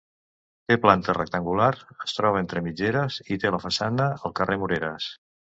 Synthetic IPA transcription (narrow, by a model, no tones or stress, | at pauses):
t̪eplant̪ərə̰k̚t̪əŋɡulaɾəst̪ɾɔβent̪ɾəmid͡ʒeɾəzit̪eləfəsanəəlˠkərʔemuɾeɾəs